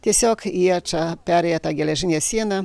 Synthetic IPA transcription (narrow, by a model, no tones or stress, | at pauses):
t̪ʲiɛsʲoːkiɛt͡ʃɑpʲæɾʲɛjɛt̪ɑɡʲɛlʲɛʒʲɪnʲeːssʲiɛnɐ